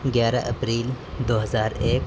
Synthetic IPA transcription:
ɡɛːɾaʔɐpɾiːl | d̪oːɦɐzaːɾeːk

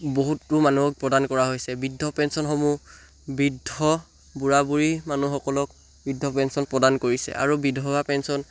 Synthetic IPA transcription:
boɦutɹumanuɔk̚pɹɔdankɔɹaɦojsɛbidʱːɔpɛnsɔnxɔmu | bidʱɔ | buɹabuɹimanuxɔkɔlɔk̚ | bidʱːɔpɛnsɔnpɹɔdankoɹisɛ̰ʔa̰ɹubidʱɔbapɛnsɔn

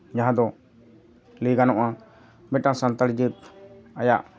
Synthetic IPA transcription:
d͡ʒaɦãd̪ɔ | liɡanɔʔã | mɛʈãŋsant̪əɽd͡ʒit̪̚ajaʔ

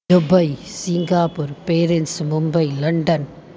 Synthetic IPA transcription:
ʊbɐɪsɪŋɡaːpuːɾpeːɾɛnsmʊmbɐɪlɐɳɖɐn

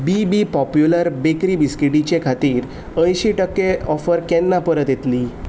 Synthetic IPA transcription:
bibipɔpjuləɾbekɾibiskiʈit͡ɕekʰat̪iːɾ | ə̃jɕiʈəkːeɔfəɾkɛnːapəɾət̪jet̪li

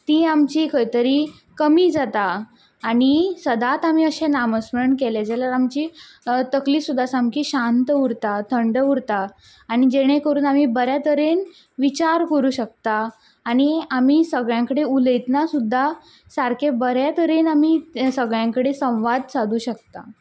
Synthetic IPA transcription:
t̪iːamt͡ɕiːkʰəjt̪əɾiː | kəmiːd͡zat̪aː | ɽ̃isəd̪at̪am̤iːəɕenaməsməɳkeled͡zalaɾamt͡ɕiː | t̪əkliːsud̪ʱːasamkiːɕãnt̪uɾt̪at̪ʰəɳɖəuɾt̪aː | ɽ̃id͡ʑeɽ̃ẽkəɾuːnam̤iːbəɾjat̪əɾen | ʋit͡ɕaɾkəɾuːɕək̚t̪aː | ɽ̃iamiːsəɡɭjãŋkəɽeuləjt̪nasud̪ʱːa | saɾkʰebəɾjat̪əɾenamisəɡɭjãŋkəɽesə̃w̃ʋad̪̚sad̪uːɕək̚t̪a̰

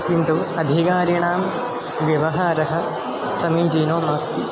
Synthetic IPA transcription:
t̪int̪uɐd̪ʱikaːɾjɐɳaːm | ʋjɐʋɐɦaːɾɐɦɐ̆ | sɐmiːd͡ʒiːnoːnaːst̪i

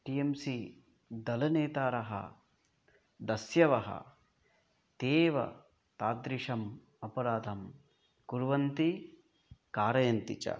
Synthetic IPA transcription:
ʈiːemsi | d̪ɐlɐneːt̪aːɾɐɦɐ̰ | d̪ɐsjɐʋɐɦɐ̰ | t̪eːʋɐ̰ | t̪aːd̪ɾiʂɐm | ɐpɐɾaːd̪ʱɐm | kuɾʋɐnt̪i | kaːɾɐjɐnt̪it͡ʃɐ̰

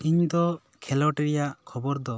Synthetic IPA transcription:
iɲd̪ɔ | kʰɛlɔʈɾijaʔkʰɔbɔɾd̪ɔ

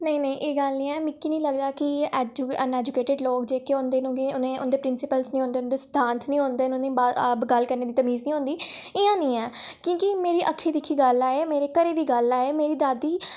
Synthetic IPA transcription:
nəĩːnəĩːʔeːɡəlnĩːɛːmɪkːiːnĩːləɡd̪aːkɪɛd͡ʒənɛːd͡ʒʊkeːʈɪɖloːkd͡ʒeːkeʊnd̪eːnũːɡiʊnẽːʊ̰nd̪eːpɾɪnsɪpəlsnĩɦõːnd̪eːʊnd̪eːsə̥t̪ʰãːnt̪ʰnĩːɦõnd̪eːnũĩːbaɡəlkəɾneːd̪iːt̪əmiːznĩːɦõːnd̪iːɪjãːnĩːɛːkjõːkimeːɾiːʔəkʰːiːd̪ɪkʰːiːɡəlaːeːmeːɾeːkəɾeːd̪iːɡəlaːeːmeːɾiːd̪aːd̪iː

